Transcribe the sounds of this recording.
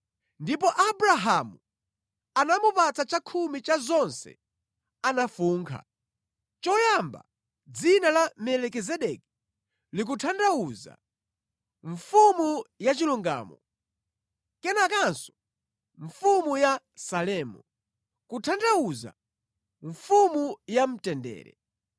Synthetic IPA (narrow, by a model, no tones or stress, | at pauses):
ndipɔʔabɾaɦamu | anamupat͡sat͡ʃakʰumit͡ʃazɔnsɛ̰ | anafuːŋkʰa̰ | t͡ʃɔjamba̰ | d͡zinalamɛlɛkɛzɛɗɛki̥ | lik̬utʰandawuza̰ | ɱfumujat͡ʃiluŋɡa̰ːmɔ̰ | kɛnak̬ansɔ̥ | ɱfumuja | salɛːmu | kutʰandauza̰ | ɱfumujam̩tɛndɛ̰ːɾɛ̰